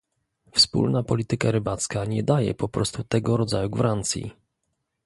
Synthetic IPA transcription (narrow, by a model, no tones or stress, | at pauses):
fspṵlnapɔlʲit̪ɘkaɾɘbat̪skaɲɛd̪ajɛ̰pɔpɾɔst̪ut̪ɛɡɔɾɔd̪zajuɡvɾant̪sʲjḭ